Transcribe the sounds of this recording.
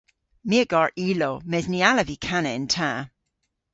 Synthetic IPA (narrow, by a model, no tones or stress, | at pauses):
miəɡ̥ɑɹʔiːlomɛznialəvikʰanɛntʰa